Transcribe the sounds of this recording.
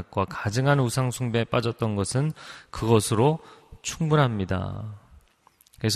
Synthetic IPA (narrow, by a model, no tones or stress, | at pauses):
k̚k͈wakad͡ʑɯŋanusʰaŋsʰuŋbep͈ad͡ʑʌt̚t͈ʌnɡʌsʰɯnkɯɡʌsʰɯɾot͡ɕʰuŋbunɦamɲida̰ | kesʰ